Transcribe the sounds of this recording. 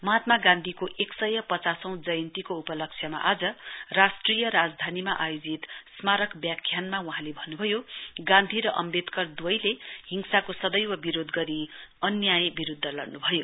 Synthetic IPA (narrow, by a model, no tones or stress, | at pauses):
mʌɦat̪maɡãnd̪ʱikoʔeksʌjʌpʌt͡sasʌ̃w̃d͡zʌjʌnt̪ikoupʌlʌkt͡sʰjʌma̰ʔad͡zʌrasʈrijʌɾad͡zd̪ʱanimaʔajod͡zit̪smaɾʌkbjakʰːjanmawuɦãlebʱʌnːubʱʌjoɡãnd̪ʱiɾʌʔʌ̰mbet̪kʌrd̪wʌjleɦiŋsakosʌd̪ʌjwʌbiɾod̪ɡʌɾiʌnjajbiɾud̪ʱːʌlʌrnubʱʌjo